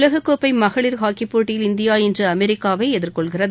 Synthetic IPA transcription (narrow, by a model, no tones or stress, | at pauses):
lɐɣɯkːoːpːɐɪmɐɣɐɭɪɾɦaːkipːoːʈːɪjɪlɪnd̪ɪjaːɛndrɯɐmɛɾɪkːaːʋɐɪɛðɪɾkɔɭɣɪrɐð